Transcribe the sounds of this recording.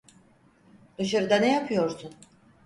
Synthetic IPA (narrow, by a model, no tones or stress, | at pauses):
d̪̥ɯʃaɾɯd̪anejapʰɯjo̞ɾsun